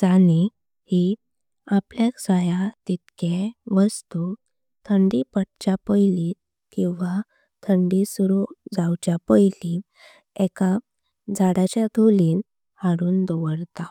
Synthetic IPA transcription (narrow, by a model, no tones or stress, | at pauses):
d͡zani | hi | apljaksəjat̪it̪keʋəst̪u | t̪ʰəɳɖipəɽ̚t͡ɕapəjli | kĩw̃ʋa | t̪ʰəɳɖisuɾud͡zawt͡ɕapəjli | ɛka | d͡zaɽat͡ɕjad̪ʱoliːn | haɾuːnd̪ɔʋəɽt̪a